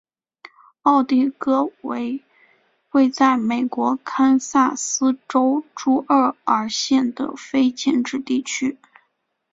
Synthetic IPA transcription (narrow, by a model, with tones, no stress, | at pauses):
ɑ˥˧ʊt̪i˥˩kɤ˥we˧˥ɪ | xwe˥˧ɪt͡sa˥˩ɪme˨˩ɪkwɔ˧˥kʰa˥nsa˥˩sɹ̩˥ʈ͡ʂo˥ʊʈ͡ʂu˥ʔə˞˥˩ə˞˧˥ɕjɛ˥˩nd̪ə̰˩fe˥ɪt͡ɕjɛ˥˧nʈ͡ʂɻ̩˥˧t̪i˥˩t͡ɕʰy˥